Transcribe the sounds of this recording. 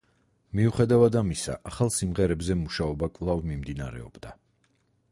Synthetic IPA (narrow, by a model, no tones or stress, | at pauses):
miuχɛd̪avad̪amisa̰ʔaχalˠsimʁɛɾɛbzɛmuʃaɔbakʼvlˠavmimd̪inaɾɛ̰ɔ̰bd̪a